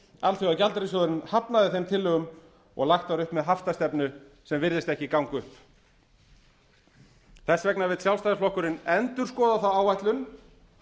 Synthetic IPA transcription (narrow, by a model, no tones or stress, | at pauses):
alθʏacalt̪ɾisɔðʏɾɪnhapnaðɪθejmt̪ʰɪlːʏɣʏm | ɔ̰ɣlaxt̪aɾʏhpmɛðɦaft̪ast̪ɛpnʏ | sɛmvɪɾðɪst̪ɛhcɪkawŋkʏhp | θɛsːvɛknavɪðsjawlst̪ajðaflɔhkʏɾɪnɛnt̪ʏɾ̥skɔːðaθawawvajt̪lʏn